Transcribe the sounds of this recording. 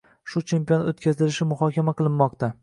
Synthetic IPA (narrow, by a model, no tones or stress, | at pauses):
ʃʊt͡ʃʰe̞mpijonot̪kʲʰazɪlɪʃɪmʊhɒkʲamaqʰɨlˠɪnːɒqt̪a